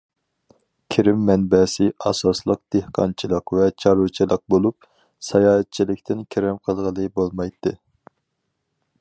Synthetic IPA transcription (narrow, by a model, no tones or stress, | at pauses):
kʲʰiɾɪmːɛnbɛsɪʔɑsɑslˠəq̚d̪̥ehqʰɑ̰nt͡ʃʰilˠəqvɛt͡ʃʰɑɾut͡ʃʰilˠəq̚bolˠup̚ | sɛjɑːɛt̪̚t͡ʃʰilɪkʲt̪ʰɪnkʲʰeɾɛmqʰəlˠʁəlˠɨbolˠmɑjt̪ʰːɨ